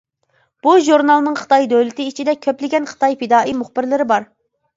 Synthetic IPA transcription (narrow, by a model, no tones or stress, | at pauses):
b̥uʒuɾnɑlˠnɨŋχə̥t̪ʰɑjd̪ølɪt̪ɪit͡ʃʰid̪ɛkʲʰøplɪɡʲɛnχə̥t̪ʰɑjfɪd̪ɑːʔimʊχbɪɾlɪɾɪbɑɾ